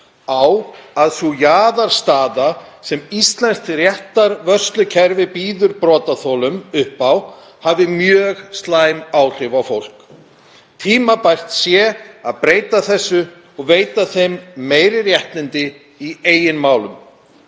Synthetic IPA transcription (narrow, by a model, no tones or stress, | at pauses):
awaðsujaːðaɾ̥st̪aːðasɛmist̪lɛnst̪rjɛht̪aɾvœr̥st̪lʏcʰɛɾvɪpiːðʏɾpɾɔːt̪aθɔlʏmʏhpaw | havðɪmjœːɣst̪laːjmaːwr̥ɪvawfowl̥k | t̪ʰiːmapajr̥t̪sjɛaðpɾeːjt̪aθɛsːʏ | ɔɣveːjt̪aθejmːeːjɾɪrjɛht̪lɪnt̪ɪ | ieːjɪnmaːwlʏm